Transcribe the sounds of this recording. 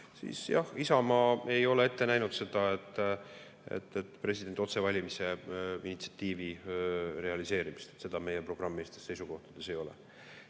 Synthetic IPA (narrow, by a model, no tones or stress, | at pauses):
sḭːsjɑ̰hisɑmɑːe̞jo̞lee̞t̪ːe̞næjnud̪̥se̞d̪̥ɑet̪ˑː | ḛt̪ːet̪ːˑpre̞s̬ʲid̥̪ent̪ˑo̞t̪se̞vɑlʲimise̞init̪si̥ɑt̪ːiːvire̞ɑlise̞ːɾimist̪e̥t̪se̞d̪̥ɑme̞jepro̞ɡ̥rɑmːeːst̪e̞sse̞jsuko̞ht̪ɑd̪̥e̞se̞jo̞lḛ